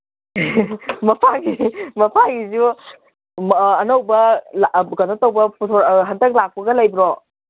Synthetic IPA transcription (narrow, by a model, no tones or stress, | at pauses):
mɐpʰaɡimɐpʰaɡizu | mːnowbɐlaɡɐnotɐwbɐputʰɔɾɦɐndɐk̚lak̚pɐɡɐlajbiɾɔ